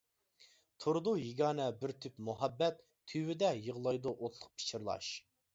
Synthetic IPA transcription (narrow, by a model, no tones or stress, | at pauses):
t̪ʰuɾd̪ujiɡʲɑːnɛbɪɾt̪ʰypmuɦɛbːɛt̪ʰːywɪd̪ɛjəʁlˠɑjd̪uʔot̪ʰlˠʊq̚pʰi̥t͡ʃʰiɾlˠɑ̰ʃ